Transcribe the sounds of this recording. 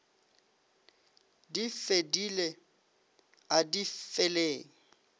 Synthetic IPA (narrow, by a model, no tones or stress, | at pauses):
difedile | adifeleːŋ̩